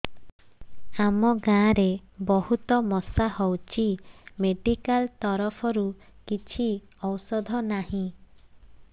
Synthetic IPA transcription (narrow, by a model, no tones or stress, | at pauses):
amɔɡãːɾebɔhut̪ɔmɔsahɔwt͡ʃʰimeɖikalt̪ɔɾɔpʰɔɾu | kit͡ʃʰi | ɔwsɔd̪ʱɔnaɦĩ